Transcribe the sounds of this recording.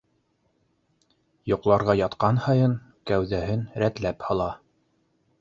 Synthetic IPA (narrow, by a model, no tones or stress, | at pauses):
jŏqlˠɑɾʁɑjɑt̪qɑnhɑjɤn | kæwðæhɘnɾæt̪læphɑlˠɑ